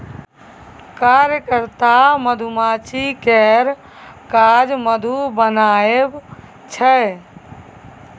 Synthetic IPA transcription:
kaːɾjəkəɾt̪aməd̪ʱumaːt͡ʃikɛɾ | kad͡ʒməd̪ʱubənaːeb | t͡ʃʰə

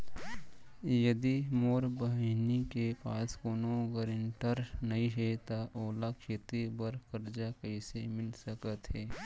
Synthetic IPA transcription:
jɐd̪imoːɾbəɦnikepaːskoːnoəɡəɾɪɳʈəɾnɐɦĩɦɛt̪aʔoːlakʰeːt̪ibəɾkəɾd͡ʒakəisemɪlsəkət̪ɦɛː

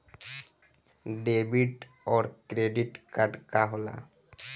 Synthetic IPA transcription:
ɖebiʈ | ɔɾkɾeɖiʈkaɖkaɦola̰

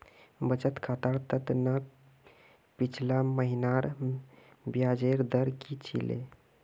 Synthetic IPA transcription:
bət͡ʃət̪kʰat̪aɾt̪ət̪nə | pit͡ʃʰlaməɦinaɾ | bjad͡ʒeɾd̪əɾkit͡ʃʰḭlḛ

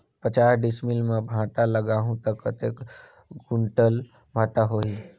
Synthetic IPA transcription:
pət͡ʃaːɦɖɪsmilmãbʱãːʈaləɡaːɦũt̪əkːət̪ek | ɡʊɳʈəl | bʱãːʈaɦoːiː

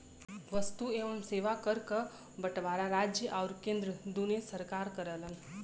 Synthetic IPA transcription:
ʋəst̪ueʋəmseːʋakəɾkə | bəʈʋaːɾaɾad͡ʒjəʔawɾkẽnd̪ɾəd̪unesəɾkaɾkəɾələn

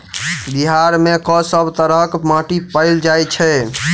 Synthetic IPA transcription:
biɦaɾmekɔsəbʱt̪əɾəkmãʈipəɪld͡ʒajt͡ʃʰɛ

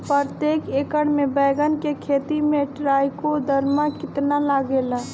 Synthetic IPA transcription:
pəɾt̪eːkeːkəɽmẽbɛːɡənkekʰeːt̪imẽʈɾaːjkod̪ʱəɾmãkɪt̪nalaɡela

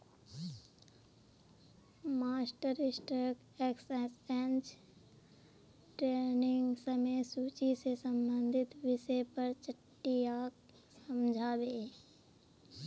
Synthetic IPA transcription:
maːsʈəɾɪsʈək | eksɛsɛ̃nt͡ʃ | ʈɾeːnɪ̃ŋɡsəmejsuːt͡ʃisesə̃mbə̃nd̪ʱɪt̪ʋɪʃepəɾt͡ʃəʈːijaːk | səmd͡ʒʱaːbeː

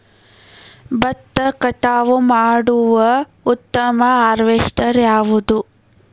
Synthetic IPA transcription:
bɐt̪ːɐkɐʈaːʋumaːɽuʋɐ | ut̪ːɐmɐaːɾʋeʂʈɐɾjaːʋud̪u

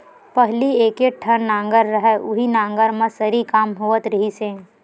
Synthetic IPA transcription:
pɐɦlieːkeʈʰənnãːŋɡəɾːɐɦɛʊɦinãːŋɡəɾmẽsɐɾikaːmɦoːət̪ɾɐɦise

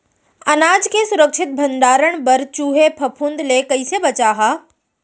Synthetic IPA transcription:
ɐnaːd͡ʒkesʊɾəkʃɪt̪̚bʱɐ̃nd̪aːɾəɳ̃bɐɾt͡ʃuːɦepʰɐpʰund̪lekɐisebɐt͡ʃaːɦaː

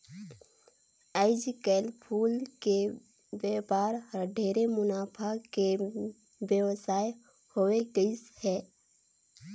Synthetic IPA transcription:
əɪd͡ʒkɛːlpʰuːlke | beːpaːɾhəɖʱeːɾemʊnaːpʰake | bjəʋsaːj | hoːeɡəishɛː

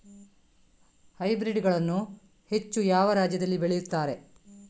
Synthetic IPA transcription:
hɐjbɾiɖɡɐɭɐnːu | he̞t͡ʃːujaːʋɐɾaːd͡ʒjɐd̪ɐlːibeɭejut̪ːaːɾe̞

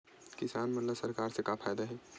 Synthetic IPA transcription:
kɪsaːnmɐt̪ləbsɐɾkaːɾsekapʰaːjd̪aɦɛ

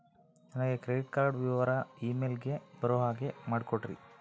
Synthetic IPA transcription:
d͡ʒɐnɐɡe̞kɾeɖiʈ̚kaːɾɖʋiʋaɾaiːmelɡeb̥ɐɾoɦaːɡe̞maːɽkoʈɾḭ

